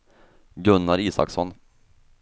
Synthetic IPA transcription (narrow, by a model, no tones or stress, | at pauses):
ɡɵnːaɾiːsa̰ksɔn